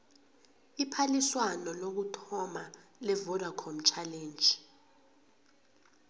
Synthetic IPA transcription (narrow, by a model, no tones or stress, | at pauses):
ipʰaliswanɔlok̬utʰɔmalɛvɔdakʰɔm̩t͡ʃʰaleːnd͡ʒʱi